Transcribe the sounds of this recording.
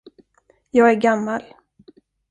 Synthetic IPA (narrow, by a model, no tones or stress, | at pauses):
jɑːɡæɾɡamːal